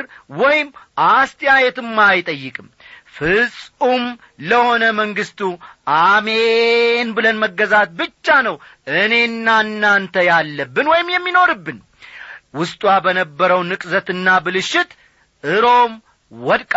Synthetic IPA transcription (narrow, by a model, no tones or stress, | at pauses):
ɾwɔjɪmʔast̪ʰjajɛt̪ɨmːajt̪ʼəjːɨkʼɨmfɨsʼum | ləho̞nəməŋɡɨst̪ʰuʔamenbɨlənməɡːəzat̪̚bɨt͡ʃːanəw | ʔɨne̞nːanːant̪ʰəjalːəbːɨnwɔjɪmjɛmːino̞ɾɨbːɨn | wʊst̪ʼwabənəbːəɾəwnɨkʼzət̪ɨnːabɨlɨʃːɪt̪ | ʔɨɾo̞m | wɔd̪kʼ